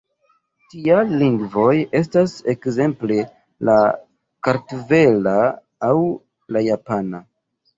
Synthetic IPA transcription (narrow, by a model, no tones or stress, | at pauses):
tialiŋɡvo̞je̞s̬tase̞kze̞mple̞ | la | kaɾtve̞laː | w | lajapana